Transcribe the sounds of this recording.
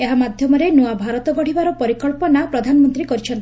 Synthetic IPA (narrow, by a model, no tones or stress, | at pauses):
eɦamad̪ʱjɔmɔɾenuabʱaɾɔt̪ɔɡɔɽ̤ibaɾɔpɔɾikɔɭpɔnapɾɔd̪ʱanɔmɔnt̪ɾikɔɾit͡ʃʰɔnt̪i